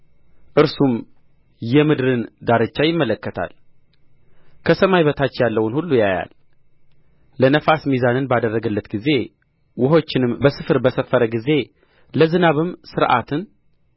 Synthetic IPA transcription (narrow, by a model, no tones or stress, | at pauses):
ʔɨɾsum | jɛmɨd̪ɾɨnd̪aɾɨt͡ʃːajɪmːələkːət̪ʰa̰l | kʰəsəmajβət̪ʰat͡ʃːjalːəwnhulːujaja̰l | ənəfasmizanɨnbad̪ərːəɡəlːət̪ɡize̞ | wʊɦo̞t͡ʃːɪnɨmbəsɨfɨɾbəsəfːəɾəɡize̞ | ləzɨnaβɨmsɨɾʔa̰t̪ʰɨn